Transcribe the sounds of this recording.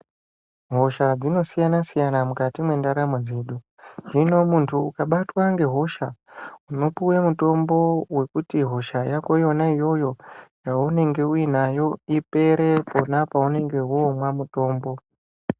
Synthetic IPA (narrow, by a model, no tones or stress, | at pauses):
ɦo̞ʃad͡zino̞sijanasijanamukatimwe̞ndaɾamod͡zeɗu | ʐino̞muntʰuːkaɓatwaŋɡe̞ɦo̞ʃauno̞pujemuto̞mbo̞we̞kutiɦo̞ʃajako̞ijo̞naijo̞jo̞jaune̞ŋɡe̞uinajo̞ipe̞ɾe̞po̞napaune̞ŋɡe̞uomwamuto̞ːmbo̞